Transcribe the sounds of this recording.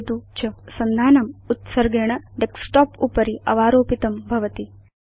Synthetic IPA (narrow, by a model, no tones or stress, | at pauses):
t̪ut͡ʃɐsɐnd̪ʱaːnɐmut̪sɐɾɡeːɳɐɖeksʈoːpupɐɾiɐʋaːɾoːpit̪ɐmbʱɐʋɐt̪i